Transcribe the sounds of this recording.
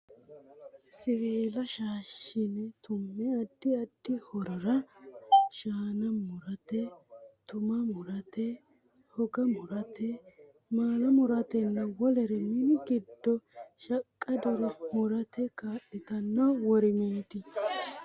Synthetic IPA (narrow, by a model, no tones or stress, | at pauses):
sɪweːlɐʃaːʃɪnɛt̪ʊmːɛɐd̪ːɪɐd̪̥ːɪhɔɾɔɾɐ | ʃaːnɐmʊɾɐt̪ɛt̪ʊmɐmʊɾɐt̪ɛ | hɔɡɐmʊɾɐt̪ɛ | maːlɐmʊɾɐt̪ɛnːɐwɔlɛɾɛmɪnɡɪd̪ːɔʃɐkʼːɐd̪ɔɾɐmʊɾɐt̪ʰɛkaːɗːɪt̪ɐnːɐwɔɾɪmeːt̪ɪ